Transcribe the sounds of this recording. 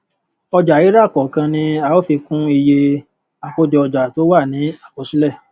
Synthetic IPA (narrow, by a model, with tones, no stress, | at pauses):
ɔ˧d͡ʒa˨i˨˦ɾa˦˨kɔ˨kã˧nĩ˧a˧o˦fi˧kũ˦i˧je˧ | a˨ko˦d͡ʒɔ˧ɔ˧d͡ʒa˨to˨˦wa˦˨nĩ˨˦a˦˨ko˨˦si˦lɛ˦˨